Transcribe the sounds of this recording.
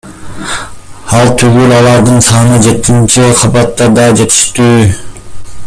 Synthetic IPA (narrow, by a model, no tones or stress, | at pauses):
ɑlˠt̪ʰyɡylɑlˠɑɾd̪ɯnsɑːnɯd͡ʒe̞t̪ːint͡ʃiqʰɑbɑt̪ːɑd̪ɑd͡ʒe̞t̪i̥ʃt̪yː